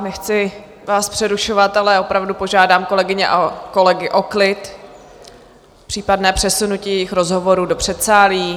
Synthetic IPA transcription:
nɛxt͡sɪ | vaːspr̥ɛɾuʃo̞vat̪alɛo̞pɾavdupo̞ʒaːdaːmko̞lɛɡɪɲɛ̰ʔako̞lɛɡɪʔo̞klɪt̪ | pr̥iːpadnɛːpr̥ɛsunuciːjɛjɪxɾo̞zɦo̞vo̞ɾuːdo̞pr̝̥ɛt̪saːliː

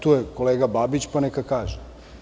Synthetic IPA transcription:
t̪ojeko̞leːɡababit͡ɕpanekakaːʒe

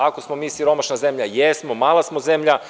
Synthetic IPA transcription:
ako̞smo̞miːsiɾo̞maʃnazemʎajesmo̞maːlˠasmozemʎa

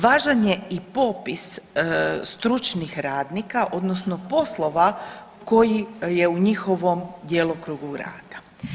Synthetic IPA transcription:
ʋaːʒaɲe̞ipo̞pis | st̪ɾut͡ʃnixɾaːd̪nikaʔo̞d̪nosnopo̞slˠo̞ʋa | ko̞jije̞uɲixo̞ʋo̞md̪jeːlˠokɾuːɡuɾa̰ːt̪ḁ

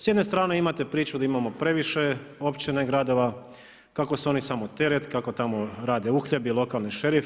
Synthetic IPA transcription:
sjed̪ne̞st̪ɾaːne̞imat̪e̞pɾiːt͡ɕud̪aimamo̞pɾe̞ʋiʃeo̞pt͡ɕineɡɾad̪o̞ʋa | kako̞suo̞nisamot̪e̞ɾet̪kako̞t̪amo̞ɾaːd̪e̞uxʎebilˠo̞kalˠniʃe̞ɾif

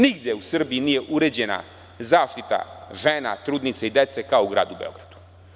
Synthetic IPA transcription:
niɡd̪jeusr̩biiniːjeʔuɾed͡ʑena̰ | zaːʃt̪it̪a̰ʒena̰t̪ɾuːd̪nit̪seid̪et̪sekaouɡɾa̰ːd̪ubeo̞̰ɡɾad̪̥u̥

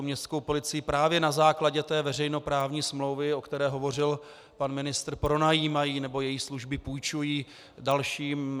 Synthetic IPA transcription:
mɲɛst̪skowpo̞lɪt͡sɪjipɾaːvjɛnazaːklaɟɛt̪ɛːvɛrɛjno̞pɾaːvɲiːsmlo̞wvɪo̞kt̪ɛɾɛːɦo̞vo̞r̝ɪl | panmɪnɪst̪ɾpɾo̞najiːmajiːnɛbo̞jɛjisluʒbɪpujt͡ʃujiː | dalʃiːm

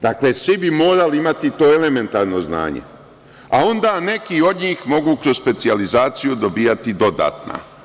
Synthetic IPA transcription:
d̪akle̞sʋibimo̞ːɾaliimat̪it̪o̞ːele̞me̞nt̪aːɾno̞zna̰ːɲḛ | ao̞nd̪aːne̞kio̞d̪ɲiːxmo̞ɡuːkɾozspe̞t̪sializaːt̪sijud̪o̞biːat̪id̪o̞d̪a̰ːt̪na̰

